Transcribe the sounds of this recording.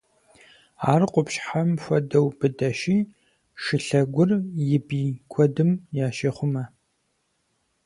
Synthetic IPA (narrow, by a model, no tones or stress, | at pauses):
a̰ːrqʷʊpɕħamfʷɐdɐwbɨdɐʃiː | ʂɨɬɐɡʷʊrjɪbiːkʷʰɔdɨmjaːʃeːχʷʊmɐ